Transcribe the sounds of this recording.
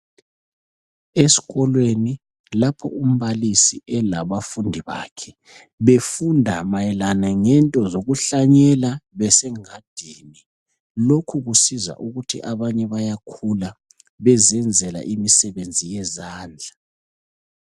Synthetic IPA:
esi̥ɣɔlweni | lapʰɔ̰um̩βalisiʔɛlaβafundʱiβa̰kʰɛ | βefundʱamajɛlanaŋɛntʼɔzoɣuɬaɲɛlaβɛsɛŋad̥ʱiːni | lokʰuɣusiza̰ʔuɣutʰḭʔaβaɲɛβajakʰula | βɛzɛnd͡zʱɛla̰ʔimisɛβend͡zʱijɛzaːnd͡ɮʱa

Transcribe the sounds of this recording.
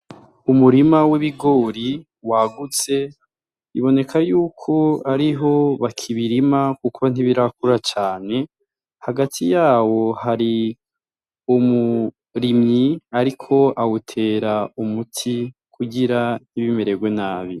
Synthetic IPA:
umuɾimawiβiɡoːɾi | waɡut͡se̞ | iβo̞ne̞kʰajuːkʰo̞aɾiɦo̞βakʰiβiɾimakukon̥iβiɾak̚uɾat͡ʃaːne̞ | haɡatʰijaːwo̞haɾi | umu | ɾimɲiaɾikʰo̞ʔawutʰe̞ːɾaumutʰikʰuɟiɾan̥iβime̞ɾe̞ɡwe̞naːβi

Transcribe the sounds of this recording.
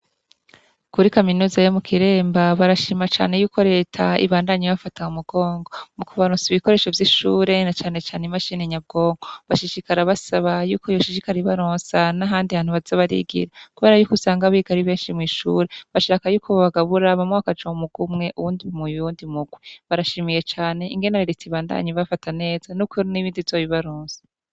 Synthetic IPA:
kuɾikaminuːzajomukʰiɾe̞ːmbaβaɾaʃiːmat͡ʃa̰ːne̞juːko̞ɾe̞ːtʰaḭβaːndaɲiβafataumuɡ̥o̞ːŋɡo̞mukuβaɾonsiβiko̞ɾe̞ːʃo̞vjiʃuɾe̞nat͡ʃaːne̞t͡ʃaːnemaʃiːneɲab̚ɡo̞ːŋɡo̞βaʃiʃikaɾaβasaβajuːko̞joʃiʃikaɾiβaɾoːnsanaɦaːndihaːn̥uβaz̥aβaɾḭɡḭɾakuβe̞ɾajukusaːŋɡaβiɡaɾiβe̞ːnʃimŋiːʃṵːɾeβaʃaːkajuːkʰo̞ββaɡaβuɾaβamŋeβakad͡ʒaumuɡ̥umŋe̞ʔuβuːndimujuːndimuɡwiβaɾaʃimije̞t͡ʃaːne̞iŋɡe̞naɾiɾitiβaːnda̰ɲiβafatane̞ːz̥anukuɾniβiːndivzoβiβaɾoːnsḁ

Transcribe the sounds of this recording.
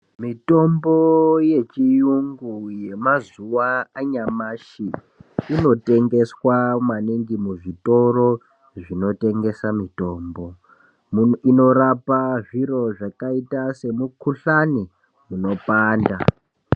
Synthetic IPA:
mito̞mboje̞t͡ʃijuŋɡuje̞mazuwaːɲamaʃiː | no̞te̞ŋɡe̞swamaniŋɡimuʐito̞ro̞ | ʐino̞te̞ŋɡe̞samito̞ːmbo̞ | ino̞ɾapaʐiɾo̞ʐakaitase̞mukuɬani | muno̞paːnda̰

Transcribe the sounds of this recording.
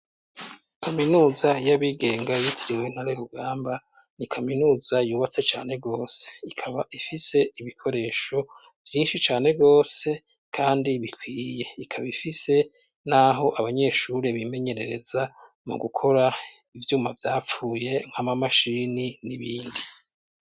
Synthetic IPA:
kʰaminuːzajaβiɡe̞ːŋɡajitʰiɾiwen̥haɾeɾuɡaːmba | nikʰaminuːzajuːβat͡se̞t͡ʃaːne̞bɡo̞ːse̞̥ikʰaβaifise̞iβikʰo̞ɾe̞ːʃo̞ | vjiːnʃit͡ʃaːne̞ɡo̞ːse̞ | kʰaːndiβikwiːje̞ikʰaβifise̞ | naɦo̞ʔaβaɲe̞ːʃuɾeβime̞ɲe̞ɾe̞ɾe̞za | mṵɡukʰo̞ɾa | ivjuːmavjaːp͡fuːje̞ŋ̥hamamaʃininiβiːndi

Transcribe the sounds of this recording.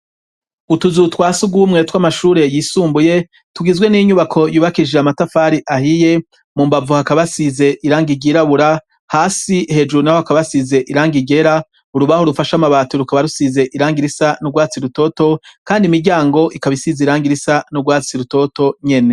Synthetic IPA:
utuzutwaːsuɡuːmŋe̞twamaʃuːɾe̞jiːsuːmbuje̞ | tuɡizwe̞niɲuβakʰo̞juːβakiʒeamatafaɾiʔahije̞ | muːmbavuhakaβasize̞ʔiɾaːŋɡiɟiɾaβuɾa | haːsihe̞d͡ʒuɾunahohakaβasize̞ʔiɾaːŋɡiɟe̞ɾa | uɾuβahoɾufaʃamaβaːtuɾukaβaɾusize̞ʔiɾaːŋɡiɾisanuɡwaːt͡siɾuto̞to̞kaːndimiɾɟaːŋɡo̞ʔikaβisizeiɾaːŋɡiɾisanuɡwaːt͡siɾuto̞to̞ɲe̞ne̞

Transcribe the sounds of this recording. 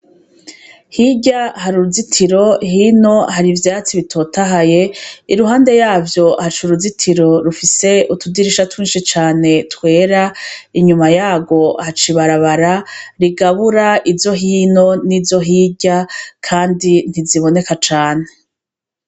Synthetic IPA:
hiɟahaɾuɾuzitʰiɾo̞hino̞haɾivjaːt͡siβitʰo̞ːtaɦaje̞iɾuɦaːnde̞jaːvjo̞hat͡ʃuɾuzitʰiɾo̞ɾufise̞utudiɾiʃatwiːnʃit͡ʃaːne̞twe̞ːɾaiɲumajaːɡo̞hat͡ʃiβaɾaβaɾaɾiɡaβuɾaiɾzjo̞ɦiːno̞niːɾjo̞ɦiːɟakʰaːndin̥iziβo̞ne̞kat͡ʃaːne̞

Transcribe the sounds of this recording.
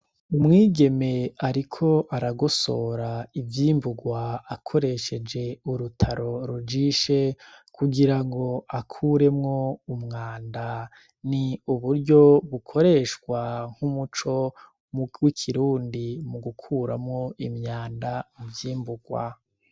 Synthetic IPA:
umŋiːɡe̞me̞aɾikʰo̞ʔaɾaɡoso̞ːɾaivjiːmbuɡwaːkʰo̞ɾe̞ʃe̞d͡ʒe̞uɾutʰaɾo̞ɾud͡ʒiʃe̞kʰuɡiɾaŋɡo̞akʰuɾe̞mŋo̞umŋaːnda | niuβuɾɟo̞βukʰo̞ɾe̞ʃɡwaŋ̥humut͡ʃo̞ | muwikʰiɾuːndimuɡukʰuːɾa̰mŋo̞ʔimɲaːndamuvjiːmbuɡwa̰

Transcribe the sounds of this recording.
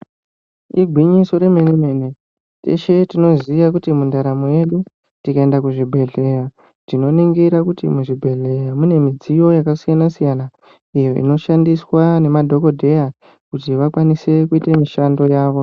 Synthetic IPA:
iɡʱwiɲiso̞ɾe̞meneme̞ne | tḛʃe̞tino̞ziʋakutimundaɾamoje̞ɗu | tikae̞ndakuʐibʱe̞ɮe̞ra | tino̞niŋɡiɾakutḭmuʐibʱe̞ɮe̞jamune̞mid͡zijo̞jakasijanasijana | ijo̞ʔḭno̞ʃandiswane̞madʱo̞ko̞dʱe̞ja | kutiʋakwanise̞kuitemiʃando̞jaːʋo̞

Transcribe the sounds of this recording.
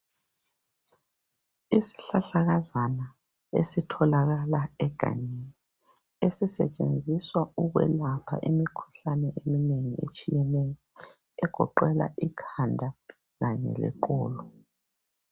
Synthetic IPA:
isi̥ɬaɬaɣazana | esitʰɔlaɣalaɛɡ̥ʱa̰ɲeni | esisɛt͡ʃʼend͡zʱiswauɣwɛ̰lapʰa̰ʔimikʰu̥ɬanɛʔemineŋiḛt͡ʃʼijɛnɛjɔ | ɛɡ̥ʱɔ̰ǃɛla̰ʔikʰandʱa | ɣaɲɛ̰lɛ̰ǃʼɔ̰ːlɔ

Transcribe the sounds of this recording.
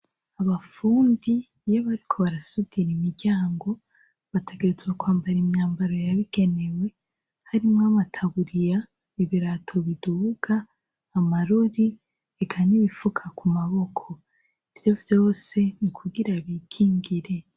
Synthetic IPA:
aβafuːndi | joβaɾikʰo̞βaɾasudiɾimiɾɟaːŋɡo̞ | βatʰe̞ɡe̞ɾezɡakwaːmbaɾimɲaːmbaɾo̞jaβiɡ̥e̞ne̞we̞ | haɾimŋamatʰaβuɾija | iβiɾatʰo̞βiduɡaː | maɾuɾi | ekʰaniβifukʰakumaβo̞kʰo̞ | ivjo̞vjo̞ːse̞nikʰuɡiɾaβikʰiːŋɡiɾe̞

